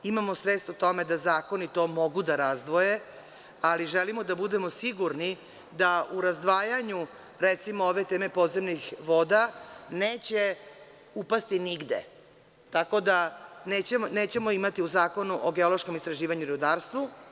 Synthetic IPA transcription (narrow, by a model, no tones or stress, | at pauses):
imamo̞sʋeːst̪ot̪o̞me̞d̪azaːko̞nit̪o̞ːmo̞ɡud̪aɾazd̪ʋoje̞ | aliʒelimod̪abud̪e̞mosiɡuɾni | d̪auɾazd̪ʋaːjaɲu | ɾet̪simooʋe̞t̪eːme̞po̞d̪zemnixʋo̞d̪aneːt͡ɕe̞ | upast̪iniɡd̪ḛ | t̪ako̞d̪anet͡ɕeneːt͡ɕe̞mo̞imat̪iuzaːko̞nuʔoɡeolo̞ʃko̞mist̪ɾaʒiːʋaɲuɾud̪aːɾst̪ʋu